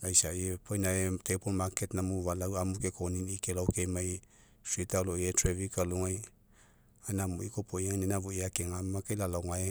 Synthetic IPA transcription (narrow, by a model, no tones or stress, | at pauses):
ajsajepʰojnaetepolmaketnamuβalawamukekoninikelawkejmaj | sitaloietɾevikaluŋaj | anamuikopojaŋnenavoiakeŋamakejlalaŋae